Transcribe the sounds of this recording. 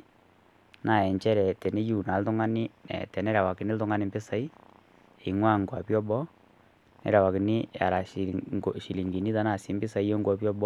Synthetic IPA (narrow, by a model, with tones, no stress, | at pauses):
na˨ɛ˨ɲt͡ʃɛ˦ɾɛ˨tɛ˨ne˦ju˦˨na˨ltʊ˦ŋa˦ni˦ɛ̰˨tɛ˨nɛ˦ɾa˨wa˨kɪ˨nɪ˦ltʊ˦ŋa˦ni˦mbɪ˦sa˦i˦ | e˨i˨ŋwa˦˨ŋɡwa˨pjɔ˦bɔ˦ | nɛ̰˦ɾa˨wa˨ki˨ni˦a̰˨ɾa˨ | ʃi˨li˨ŋɡi˨ni˦ta˦na˦˨si˨˦mbɪ˦sa˨˦i˦jo˦ŋɡwa˨pjɔ˦bɔ˦